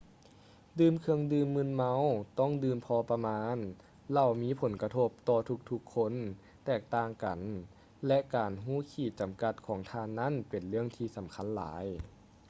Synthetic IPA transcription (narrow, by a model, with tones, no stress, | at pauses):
dɯː˧˨mkʰɯ˧əŋdɯː˧mːɯː˧˥˨nma˧˥˨wt̪ɔ˥˩˨ŋdɯː˧mpʰɔː˧pa˧maː˧˥n | la˧˩wmiː˧˥pʰo˩˦nka˧t̪ʰo˧˥p̚t̪ɔː˧t̪ʰu˧k̚t̪ʰu˧kʰːo˧˥˨n | t̪ɛː˧˩k̚t̪aː˧˩ŋka˨˩n | lɛ˧˥ʔkaː˨˩nɦuː˧˥˩kʰiː˧˩t͡ɕa˨˩mka˧˥t̪̚kʰɔː˩˦ŋt̪ʰaː˧˥nːa˦˥˨npe˨˩nlɯ˥˩əŋt̪ʰiː˧sa˩˦mkʰa˧˥˨nla̰ː˩˦j